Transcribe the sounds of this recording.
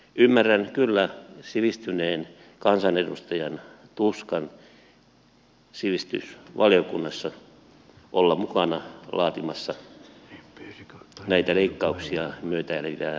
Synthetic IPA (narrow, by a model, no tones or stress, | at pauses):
ymːærːænkylːæsiʋist̪yneːn | kɑnsɑnedust̪ɑjɑnt̪uskɑn | siʋist̪y̰sʋɑlijokunːɑsːɑ | ʔolːɑmukɑnɑlɑːt̪imɑsːɑ | næit̪æleikːɑuksiɑmyøt̪æælʋæ